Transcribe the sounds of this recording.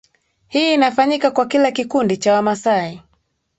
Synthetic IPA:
hiːnafaɲikakwakilakikundit͡ʃawamasai

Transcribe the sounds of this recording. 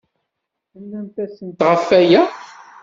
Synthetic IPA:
əlːænt̪æsənt̪ʁəfːæjæ

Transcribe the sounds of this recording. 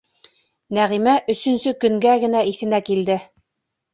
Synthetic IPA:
næʁimæʔɵ̆sɵ̆nsɵkɵ̆ŋɡæɡɘ̆næiθɘ̆nækild̪ɘ

